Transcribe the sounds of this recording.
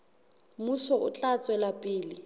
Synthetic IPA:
musɔʔʊ̰t͡ɬʼat͡sʼwɛlapʼɪːlɪ

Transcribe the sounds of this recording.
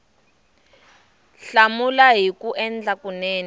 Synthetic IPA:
ɬamulaɦikuʔɛnd͡ɮakunɛːnɛ

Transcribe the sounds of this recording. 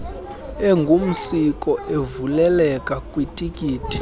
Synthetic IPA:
ɛŋɡʱum̩sikʼɔevulɛlɛkʼakʼwitʼikʼiːtʰʼi̥

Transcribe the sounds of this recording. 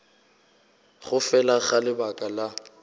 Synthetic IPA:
χʊfɛlaɣalɪbakʼala

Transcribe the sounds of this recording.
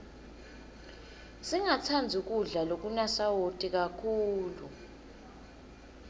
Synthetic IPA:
siŋat͡sʰand͡zʱuk̬uɮalok̬ʼunasawotʼik̬akʰuːlu

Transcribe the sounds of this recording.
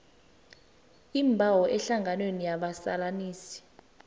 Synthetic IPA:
imbʱawɔʔɛɬaŋɡʱanwenijaɓasa̰laniːsi̥

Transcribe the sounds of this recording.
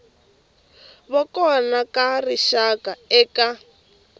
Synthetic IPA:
βɔkɔnakariʃakaɛːka

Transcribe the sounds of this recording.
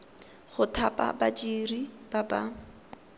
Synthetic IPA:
χʊtʰapʼa̰bat͡ʃʼiribaba

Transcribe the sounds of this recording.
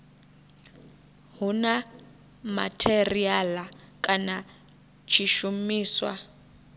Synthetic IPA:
ɦuna | ma̰tʰɛrialakʼana | t͡ʃʰiʃumiːswa̰

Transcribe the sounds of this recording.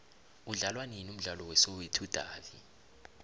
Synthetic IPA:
uɮalwaninum̩ɮalɔwɛsowetʰud̥ʱaːvi

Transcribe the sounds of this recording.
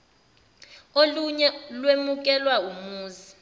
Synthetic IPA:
oluɲɛlwemuk̬ʼɛlwaumuːzi

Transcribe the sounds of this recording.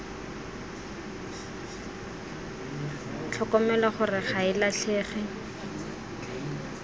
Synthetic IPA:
t͡ɬʰɔkɔmɛlaχʊrɪχaɪlaɬʰeːχɪ

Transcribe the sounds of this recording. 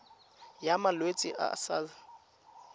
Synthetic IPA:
jamalwet͡sʼiʔa̰saːza

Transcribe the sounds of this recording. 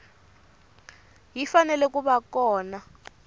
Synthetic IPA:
jifanɛlɛk̬uɓakɔːna

